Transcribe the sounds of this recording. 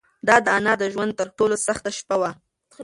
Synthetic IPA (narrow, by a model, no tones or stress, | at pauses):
d̪ɑd̪əanɑd̪əʒwand̪̚t̪əɾʈolosaxt̪aʃpawa